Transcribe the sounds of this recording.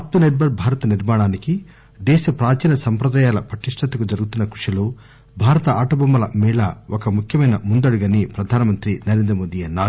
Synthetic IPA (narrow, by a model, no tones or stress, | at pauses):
ɐp̚t̪uneʈ̚bʱɐɾbʱaːɾɐt̪ɐniɾmaːɳaːniki | d̪ɛːʃɐpɾaːt͡ʃiːnɐsɐmpɾɐd̪aːjaːlɐpɐʈiʂʈʰɐt̪ɐkud͡ʒɐɾuɡut̪unːɐkuʂɐloː | bʱaːɾɐt̪ɐaːʈɐbɐmːɐlɐmiːɭɐokɐmukʰjɐmɐjnɐmund̪ɐɽuɡɐnipɾɐd̪ʱaːnɐmɐnt̪ɾinɐɾeːnd̪ɾɐmoːd̪iɐnːaːɾu